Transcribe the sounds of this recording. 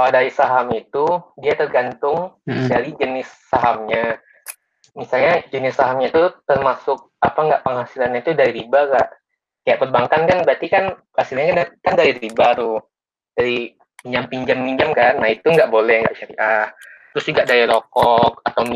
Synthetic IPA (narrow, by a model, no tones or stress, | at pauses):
aadaisaɦamit̪udiat̪ərɡant̪ʊŋdaɾid͡ʒənɪsːaɦamɲa | misalɲad͡ʒənɪsːaɦamɲait̪ut̪ərmasʊk̚apaŋɡaʔpəŋɦasilanɲait̪udaɾiɾibaɡaʔ | kajaʔpərbaŋkankanbɾat̪ikan | hasilɲakankandaɾiɾibaɾʊ | d͡ʒaɾi | miɲd͡ʒampiɲd͡ʒamːiɲd͡ʒamkanːahit̪uŋɡaʔbolɛhŋɡa̰ʔʃaɾḭʔaht̪ɾʊsd͡ʒuɡaʔdailokɔk̚at̪awm